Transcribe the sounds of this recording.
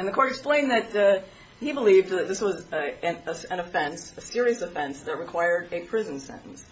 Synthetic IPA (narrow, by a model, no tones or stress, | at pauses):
ɨ̃nðɨkʰɔɹɾɨksplẽɪ̃nðɨt̚ | hibəlivdðɨt̪̚ðɪswʌzɨ̃nəɨ̃nɨfɛ̃nsɨsɪɹiɨsɨfɛ̃nsðɨt̚ɹɨkʰw̥aɪə˞ɾɨpʰɹ̥ɪz̃n̩sɛ̰̃ñʔn̩s